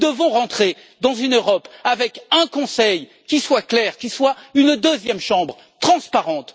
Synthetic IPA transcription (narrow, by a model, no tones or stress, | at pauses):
d̪əvɔ̃ʁɑ̃t̪χe | d̪ɑ̃zynøʁɔpavɛkɛ̃kɔ̃sɛj | kʲiswaklɛʁkʲiswaynd̪øzjɛmʃɑ̃bʁ | t̪χɑ̃spaʁɑ̃t̪